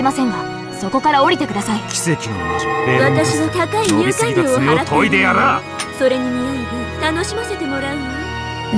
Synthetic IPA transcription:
imasẽ̞ŋɡa | so̞ko̞kaɾao̞ɾʲit̪e̞kɯ̟d̪asaikʲi̥se̞kʲino̰ad̪eβat̪aɕinot̪akaiikaid̪ooaat̪ʰoid̪ejaɾa | so̞ɾe̞ɲimod̪et̪ano̞ɕimase̞t̪e̞mo̞ɾaɯma

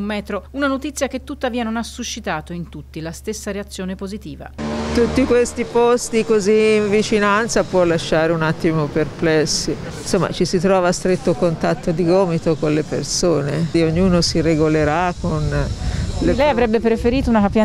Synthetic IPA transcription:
umːɛːt̪ɾounanot̪it̪sːjak̟et̪ːut̪ːaviːanonasːuʃːit̪aːt̪oint̪ut̪ːilast̪esːaɾeat̪sːjoːnepozit̪iːva̰t̪ut̪ːikwest̪ipost̪ikoziːɱvit͡ʃinant̪sapwɔlːaʃːaːɾeunat̪ːimoperplɛsːi | nsomːa̰t͡ʃisit̪ɾɔːvast̪ɾet̪ːokont̪at̪ːod̪iɡɔːmit̪okonlepḛrsoːneioɲːuːnosireɡoleɾakon | lelɛjavɾɛbːepɾefeɾiːt̪ounakapja

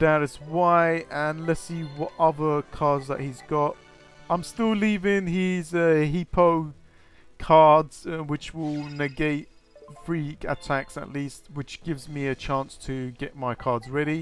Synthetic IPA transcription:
d̥aʊɾɨswaɪə̃nlɛtsiːwɒɾʌðəkʰɑːdzðə̰ʔ̚hizɡɒt | ãɪ̃mstɪlˠliːvɪ̃ŋhizəɦipʰoʊ | kʰɑːdz̥wɪt͡ʃwɪlˠnɪɡeɪt̚ | fɹikə̰tʰaksə̰ʔˡliˑst̚wɨt͡ʃɡ̥ɪvzmiɨt͡ʃʰæ̃ˑnstʰəɡɛʔ̚maɪkʰɑːdzɹɛɾi

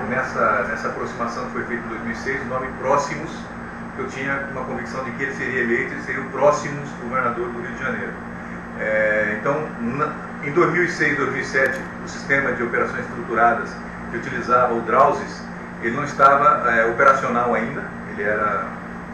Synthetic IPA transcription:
nɛsɐnɛsɐapɾosimasɐ̃w̃kɪfojfejt̪ʊ̃ẽd̪ojzmiwisejzʊnõmɪpɾɔsimʊs | kɪewt͡ʃĩɲɐũmɐkõviksɐ̃w̃d͡ʒɪkɪelɪseɾiɐelejt̪ʊelɪseɾiʊ̃pɾɔsimʊzɡoveɾnad̪oɾd̪ʊɦiwd͡ʒɪʒɐ̃nejɾʊ | ɛẽnt̪ɐ̃w̃n | ẽj̃d̪ojzmiwisejzd̪ojzmiwisɛt͡ʃɪ | ʊsi̥st̪ẽmɐd͡ʒɪopeɾasõj̃zɪst̪ɾut̪uɾad̪ɐs | kɪut͡ʃilizavɐʊd̪ɾawzɪs | elɪnɐ̃w̃ɪst̪avɐɛopeɾasionawaĩnd̪ɐ | elɪɛɾɐ

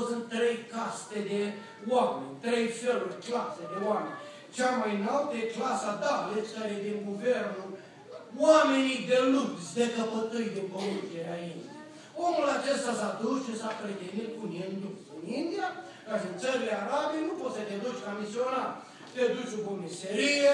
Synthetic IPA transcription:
sɨnt̪t̪ːɾe̞jkast̪ed̪e | wamenʲt̪ɾejfelurʲklased̪e̞wamenʲ | t͡ʃamajnalt̪eklasad̪ablet͡ʃkaɾed̪inɡuvernul | wame̞nid̪elubsd̪ekəpət̪ɨjd̪epəund͡ʒeɾeaind̪ia | wo̞mulat͡ʃest̪asad̪usʃisapɾet̪enit̪̚kunend̪uksɨnind̪ija | kaʃiɨnt̪səɾileaɾabijnupot̪sət̪ed̪ut͡ʃʲlamisionar | t̪ed̪ut͡ʃʲobumiseɾije

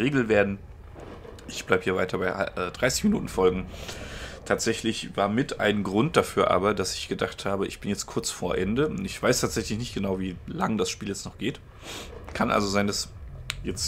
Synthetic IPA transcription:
ʁeːɡl̩veːɐdn̩ | ʔɪçb̥laɪbəhiːɐvaɪtɐbaɪa̰ʔɛːdʁaɪsɪ̥çminuːtn̩fɔlɡŋ̩ | tʰaːtz̥ɛçlɪçv̥aːɐmɪtʔa̰ɪnɡʁʊnt̚d̥afyːɐʔa̰ːbɐdasɪçɡ̥ədaχthaːbəʔɪ̰çb̥ɪnjɛt͡st̚kʰʊɐt͡sfoːɐʔɛndəʊntɪçv̥aɪstʰaːtz̥ɛçlɪçnɪçtɡ̥ənaʊviːla̰ŋd̥asʃpiːljɛt͡stnɔχɡ̥eːt | kʰanʔa̰lzozaɪndasjɛt͡st

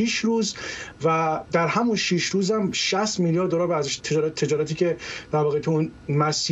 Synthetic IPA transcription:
iʃɾuːzvæd̪æɾhæmunʃiʃɾuːzæmʃæst̪miljɒːɾd̪oɾɒːɾbæzeʃt̪ʰed͡ʒɒːɾæt̪ʰːed͡ʒɒːɾæt̪iːcʰed̪̥æɾvɒːɣet̪ʰeunmæsiː

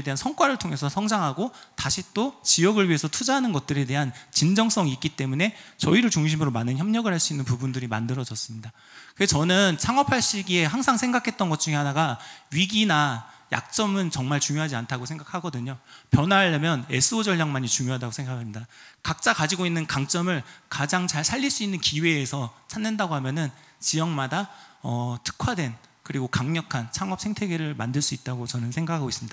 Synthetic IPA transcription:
ede̞ɦansʰʌŋk͈waɾɯɭtʰoŋe̞sʰʌsʰʌŋd͡ʑaŋɦaɡotaɕʰit͈ot͡ɕiʌɡɯɭɥie̞sʰʌtʰud͡ʑaɦanɯnɡʌt̚t͈ɯɾe̞de̞ɦant͡ɕind͡ʑʌŋs͈ʌŋiːk͈it͈e̞mune̞t͡ɕʌiɾɯɭt͡ɕuŋɕ̬ʰimɯɾomanɯnçjʌmɲʌɡɯɭhaɭs͈uinːɯnpubundɯɾimandɯɾʌd͡ʑʌs͈ɯmɲida | kɯɡet͡ɕʌnɯnt͡ɕʰaŋʌpʰaɭɕ͈iɡie̞ɦaŋsʰaŋsʰe̞ŋɡakʰe̞t̚t͈ʌnɡʌt̚t͡ɕ͈uŋɦe̞ɦanaɡaɥiɡinaja̰k̚t͡ɕ͈ʌmɯnt͡ɕʌŋmaɭt͡ɕuŋjoɦad͡ʑiantʰaɡosʰe̞ŋɡakʰaɡʌdɯɲopjʌnaɭːemjʌne̞̰s͈ʰɯod͡ʑʌɭɲaŋmaɲit͡ɕuŋjoɦadaɡosʰe̞ŋɡakʰamɲidakak̚t͡ɕ͈akad͡ʑiɡoinːɯnkaŋt͡ɕ͈ʌmɯɭkad͡ʑaŋt͡ɕaɭsʰaʎːiɭs͈uinːɯnkiwe̞ːsʰʌt͡ɕʰanːɯndaɡohamjʌnɯnt͡ɕijʌŋmadaʌtʰɯ̥kʰwadwe̞nkɯɾiɡokaŋɲʌkʰant͡ɕʰaŋʌp̚sʰe̞ŋtʰe̞ɡeɾɯɭmandɯɭs͈uit̚t͈aɡot͡ɕʌnɯnsʰeŋɡakʰaɡois͈ɯmɲidaa

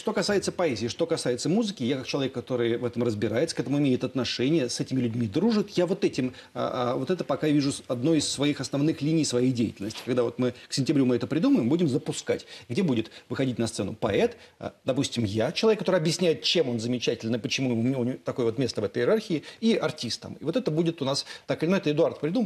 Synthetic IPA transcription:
ʂt̪o̞kɐsajɪt̪səpɐɛzʲɪːʂt̪o̞kɐsajɪt̪səmuzɨkʲɪjakak̚t͡ɕɪlˠɐvʲekːɐt̪o̞ɾɨjvɛt̪əmrəzbʲɪɾajɪt̪sə̥kɛt̪əmʊɪmʲeɪt̪ɐt̪nɐʂɛnʲɪjəsɛtʲɪmʲɪlʲʉdʲmʲid̪ɾuʐɨt̪javo̞t̪ɛtʲɪm̰ | ə̰vo̞t̪ɛt̪əpɐkavʲiʐʊɐd̪no̞jɪsːvɐixɐsnɐvnɨxlʲinʲɪjsvɐjejdʲejɪtʲɪlʲnəsʲtʲɪ̥kɐɡd̪avo̞t̪mɨksʲɪnʲtʲɪbɾʲumɨɛt̪əpɾʲɪd̪uməjɪmbudʲɪmzəpʊska̰tʲɡdʲebudʲɪt̪vɨxɐdʲitʲnɐssɛnʊ̰pɐɛt̪ | a̰d̪ɐpusʲtʲɪmjat͡ɕɪlˠɐvʲekːɐt̪oɾɨɪɐbjɪsʲnʲæjɪt̪̚t͡ɕemo̞nzəmʲɪt͡ɕætʲɪlʲnəpət͡ɕɪmuɪumnʲt̪ːɐko̞jəvo̞t̪mʲest̪əvɛt̪əjɪɾarxʲɪɪɪɐrtʲist̪ːə̰mɪ̰vo̞t̪ɛt̪əbudʲɪt̪ʊnast̪akɨlʲɪnoɛt̪əɪd̪ʊart̪̚pɾʲɪd̪umə

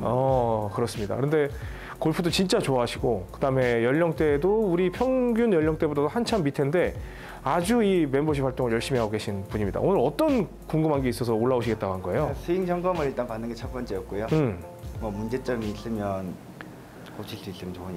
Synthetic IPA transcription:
ʌkɯɾʌs͈ɯmɲida̰kɯɾʌnde̞ | koɭpʰudot͡ɕint͡ɕ͈at͡ɕoaɦaɕʰiɡokɯdame̞jʌʎːʌŋt͈e̞douɾipʰjʌŋɡjunjʌʎːʌŋt͈e̞botʰadohant͡ɕʰammːitʰe̞nde̞ | ad͡ʑuime̞mboɕʰipʰwaɭt͈oŋɯɭjʌɭɕ͈imiɦaɡoɡe̞ɕʰinpuɲimɲḭda̰ʔonɯɾʌt͈ʌn | koŋɡɯmɦanɡe̞is͈ʌsʰʌoɭːaoɕʰiɡet̚t͈aɡoɦanɡʌe̞josʰɯiŋd͡ʑʌŋɡʌmɯɾiɭt͈anpanːɯnŋɡet͡ɕʰʌp͈ʌnt͡ɕ͈ejʌk̚k͈ujoɯm | mʌmund͡ʑe̞t͡ɕ͈ʌmiːs͈ɯmjʌn | kot͡ɕʰis͈uis͈ɯmʌnt͡ɕo

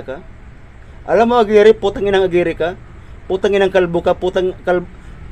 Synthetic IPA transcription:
ka | ʔa̰lamoaɡiɾɪput̪aŋɪnaŋaɡiɾɪka | put̪aŋɪnaŋkalbukaput̪aŋkal

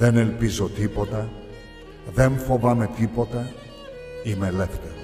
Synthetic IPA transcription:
ðe̞ne̞lpizo̞t̪ipo̞t̪ɐ | ðe̞ɱfo̞vɐme̞t̪ipo̞t̪ɐ | ime̞le̞ft̪eɾ

